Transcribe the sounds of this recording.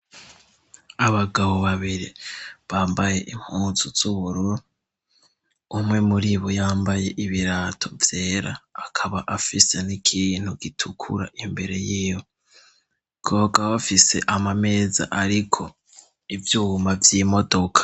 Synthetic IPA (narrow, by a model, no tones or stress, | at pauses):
aβaɡaβo̞βaβiɾiβaːmbaje̞ʔim̥huːzuz̥uβuɾuɾu | umŋe̞muɾiβojaːmbaje̞ʔiβiɾaːtʰo̞vje̞ːɾa̰ːkʰaβaʔafise̞nikʰin̥huɡ̥itʰukʰṵɾa̰ʔimbe̞ɾe̞jiːjo | ɡ̥o̞ːɡaβafise̞ʔamame̞ːza̰ʔaɾikʰo̞ | ivjuːmavjiːmo̞do̞kʰḁ